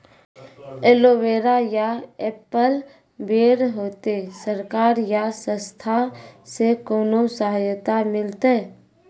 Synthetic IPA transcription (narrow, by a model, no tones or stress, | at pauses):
eːloːʋeːɾajaeːpəl | beːɾɦoːt̪esəɾkaːɾjasə̃st̪ʰasekoːnosəɦajt̪amɪlt̪e